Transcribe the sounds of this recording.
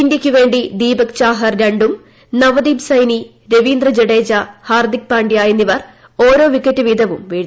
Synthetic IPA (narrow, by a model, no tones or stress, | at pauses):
pindikʲːuʋe̞ːɳɖid̪iːbɐk̚t͡ɕaːɦɐrɾɐɳɖum | nɐʋɐd̪iːbsɐjni | ɾeʋiːnd̪rɐd͡ʑeɽeːd͡ʑɐhaːrd̪ik̚paːɳɖijaːjinːiʋɐr | o̞ːɾo̞ːʋikːɐtːɨʋiːd̪ʱɐʋumʋiːɽ